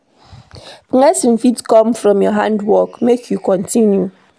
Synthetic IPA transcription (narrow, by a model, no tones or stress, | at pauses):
pɨŋesim̩fitkɔmfɾɔ̃mjɔɦãndwɔkmekʰjukɔ̃ntʰinju